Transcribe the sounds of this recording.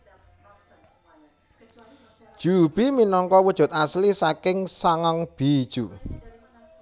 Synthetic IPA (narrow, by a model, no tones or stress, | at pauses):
d̥ʒ̥ub̥iminɔŋkɔwəd̥ʒ̥ʊ̤t̪̚aslisakɪŋsaŋaŋb̥id̥ʒ̥u